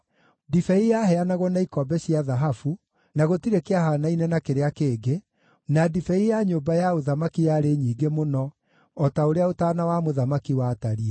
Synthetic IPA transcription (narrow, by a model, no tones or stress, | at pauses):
difɛijaɦɛanaɣwɔnaikɔbɛɕiaðaɦafu | naɣotiɾekeahaːnainɛnakeɾeakeːɡe | nadifɛijaɲoːbajaoðamakijaɾeɲiːɡemonɔ | ɔtaoɾeaotaːnawamoðamakiwaːtaɾiɛ